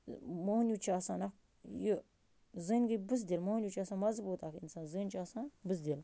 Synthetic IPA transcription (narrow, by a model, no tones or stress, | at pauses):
monjut͡ʃaːsaːnɐk | ju | zɨːnɡɨbɨs̬d̪ʲilmohnʲjut͡ʃaːsaːnmɐzbuːt̪akḭnsaːnzɨːnt͡ʃaːsãːbɨs̬d̪ʲil